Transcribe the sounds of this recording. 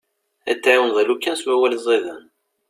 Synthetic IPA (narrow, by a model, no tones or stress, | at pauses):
æ̰t͡sːʕawənðælukːænswæwælzˤeðən